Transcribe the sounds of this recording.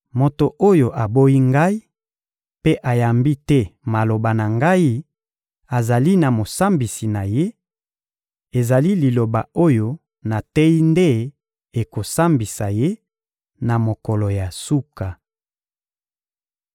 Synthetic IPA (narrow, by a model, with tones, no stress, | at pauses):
mo˨to˨ʔo˦jo˨ʔa˨bo˦i˦ŋɡa˦i˦ | pe˦ʔa˨ja˨mbi˦tɛ˦ma˨lo˨ba˨na˨ŋɡa˦i˦ | a˨za˨li˦na˨mo˨sa˦mbi˨si˨na˨je˦ | e˨za˨li˦li˨lo˨ba̰˨o˦jo˦ | na˨tɛ˦i˦nde˦ | e˨ko˨sa˦mbi˨sa˨je˦ | na˨mo˨kɔ˨lɔ˨ja˨su˦ka˨